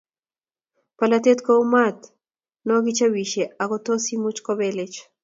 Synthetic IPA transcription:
palat̪et̪koumat̪ | noɡit͡ʃawiʃeakot̪osimut͡ʃkoβelet͡ʃ

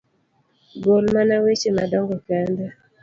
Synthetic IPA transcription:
ɡolmanawet͡ʃemadɔŋɡɔkɛnda

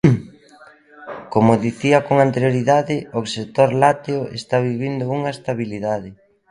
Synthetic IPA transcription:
komʊðiθiɐkoŋant̪eɾjoɾiðaðɪoset̪oɾlat̪eoḛst̪aβiβind̪ʊuŋaest̪aβiliðaðɪ

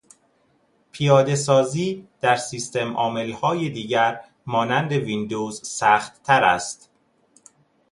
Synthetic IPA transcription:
pʰijɒːd̪e̞s̬ɒːziːd̪̥æɾsiːst̪e̞mɒːme̞lhɒːjed̪iːɟæɾ | mɒːnænd̪e̞vind̪oːzsæːxt̪ːʰæɾæ̰st̪

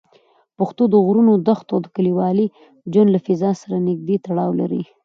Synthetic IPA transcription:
pəxt̪od̪əɣɾunod̪axt̪awd̪əkəliwɑli | d͡ʒwand̪lafɪzɑsaɾanɪɡ̚d̪et̪aɽɑwla̰ɾḭ

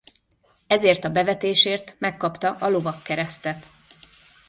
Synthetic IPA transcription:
ɛzeːrt̪ɒbɛvɛt̪eːʃeːrt̪mɛkːɒpt̪ɒʔɒlo̞vɒkːɛɾɛst̪ɛt̪

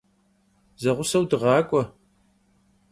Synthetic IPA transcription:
zɐʁʷʊsɐwdɨʁɑːkʷʼɔ

